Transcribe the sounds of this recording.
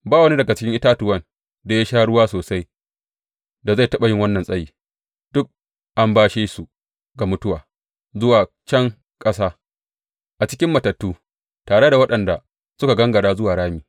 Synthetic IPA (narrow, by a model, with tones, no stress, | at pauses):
baː˦wɐ˦ni˦dɐ˨ɡa˨t͡ʃɪ˦kʲɪ˦ŋʔɪ˦taː˦tʊ˨wɐ˦n | da˨ja˦ʃaː˦ɽʊ˦waː˦soː˨sa˦j | da˨za˦˨tɐ˦ɓa˨jɪ˦ŋwɐ˦nːɐ˨nsʼɐ˦jiː˨ | d̥ʊ˦k̚ | ʔa˦mbaː˦ʃeː˦su˨ | ɡa˨mʊ˦tʊ˦waː˨ | zʊ˦waː˨ | t͡ʃɐ˦ŋ | kʼɐ˦saː˦ | ʔa˨t͡ʃɪ˦kʲɪ˦mːɐ˨tɐ˨tːuː˦ | taː˨ɽe˦da˨wɐ˦ɗɐ˨nda˨ | sʊ˦ka˨ɡɐ˦ŋɡɐ˨ɽaː˦zʊ˦waː˨ɽaː˦miː˨